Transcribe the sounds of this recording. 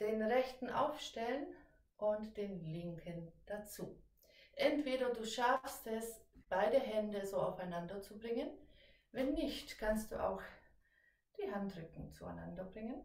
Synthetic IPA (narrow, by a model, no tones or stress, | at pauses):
d̥eːnʁɛçtn̩ʔa̰ʊfʃtɛlən | ʔʊntd̥eːnlɪŋkʰənd̥at͡suː | ʔɛntv̥eːɾɐduːʃafstɛsb̥aɪdəɦɛndəzoːaʊfaɪnandɐt͡subʁɪŋən | vɛnːɪçtkʰanst̚d̥ṵːʔa̰ʊx | d̥iːɦantʁʏkŋ̩t͡sua̰ɪna̰ndɐbʁɪŋən